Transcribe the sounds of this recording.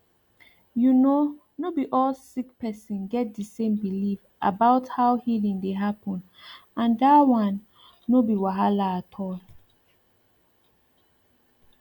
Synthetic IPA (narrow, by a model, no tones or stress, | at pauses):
juno | nobiʔɔlsik̚pɛsɔ̃nɡɛt̚dəsẽmbilif | ʔa̰baʊthawhilĩŋdeɦapʰɔ̃n | ãndawãnː | obiwaɦalaːtʰɔl